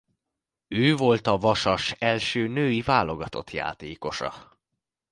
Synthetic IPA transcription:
øːvo̞lt̪ɒvɒʃɒʃɛlʃøːnøːjivaːlo̞ɡɒt̪o̞̰t̪ja̰ːt̪eːko̞ʃɒ̰

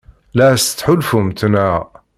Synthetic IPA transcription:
læst̪ːħʊlfumt̪næ

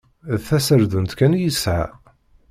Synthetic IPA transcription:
ðθæsəɾðunt̪kænjəsʕa̰

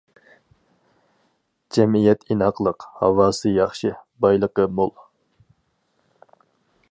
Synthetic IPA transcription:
d͡ʒɛmijɛt̪ʰinhɑqlˠəqhɑ̰wɑːsɨjɑχʃɨbɑjlˠəqəmolˠ

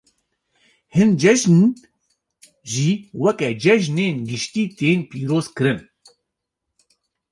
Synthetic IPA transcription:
hɨnd͡ʒɛʒn | ʒiːwɛkɛd͡ʒɛʒneːnɡɨʃt̪iːt̪eːnpiːɾoːzkɨɾɨn

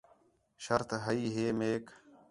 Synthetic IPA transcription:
ʃəɾt̪ɦəiːɦeːmeːk

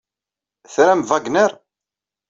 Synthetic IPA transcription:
θɾæmvaɡnəɾ

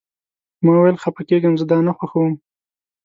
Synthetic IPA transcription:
mɑwjlxapakeɡəmzəd̪ɑnaxwaxawəm

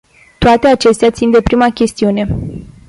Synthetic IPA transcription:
t̪oat̪e̞at͡ʃe̞st̪eat̪sind̪e̞pɾimakʲe̞st̪iune̞

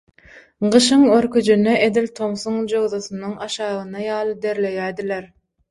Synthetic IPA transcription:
ɢɯʃɯŋøɾkyd͡ʒynːeʔed̪ilʲt̪ʰo̞msuŋd͡ʒoɣðoθunɯŋɑʃɑːʁɯnɑjɑːlˠɯd̪e̞ɾle̞jæːd̪ileɾ

